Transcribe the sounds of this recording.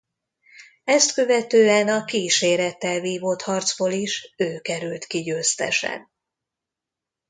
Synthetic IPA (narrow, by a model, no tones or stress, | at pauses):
ɛst̪kø̞vɛt̪øːɛnɒkiːʃeːɾɛt̪ːɛlviːvot̪hɒrt̪zboːliʃøːkɛɾylt̪kiɟøːst̪ɛ̰ʃɛ̰n